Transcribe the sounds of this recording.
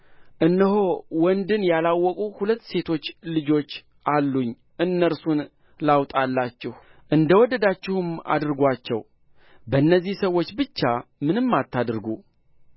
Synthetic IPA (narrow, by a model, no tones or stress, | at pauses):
ʔɨnːɨɦowɔnd̪ɨnjalawːɔkʼuhulət̪ːse̞t̪ʰo̞t͡ʃːlɨd͡ʒo̞t͡ʃː | ʔalːuɲː | ʔɨnːəɾsun | lawt̪ʼalːat͡ʃːɪh | ʔɨnd̪əwɔd̪ːəd̪at͡ʃːɪhuma̰d̪ɾɨɡʷat͡ʃːɛ̰w | bənːəzːihsəwːo̞t͡ʃːbɨt͡ʃːamɨnɨmːat̪ːad̪ɾɡu